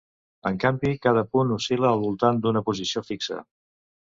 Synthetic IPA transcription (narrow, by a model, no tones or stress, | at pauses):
əŋkambikað̞əpunusiləːlˠβulˠt̪and̪unəpuzisiofiksə̰